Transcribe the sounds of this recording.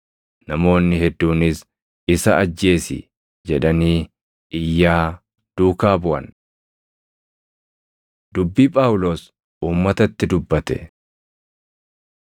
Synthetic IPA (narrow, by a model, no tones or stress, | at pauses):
nɐmo̞ːnːɪhɛd̪ːuːnɪs | ɪsɐɐd͡ʒːe̞ːsɪ̰ | d͡ʒɛᶑɐniː | ɪjːaː | d̪̥uːkaːbʊʔɐ̰n | d̪ʊbːiːpʼaːwʊlo̞ːs | uːmːɐt̪ɐt̪ːɪd̪ʊbːɐt̪ɛ̰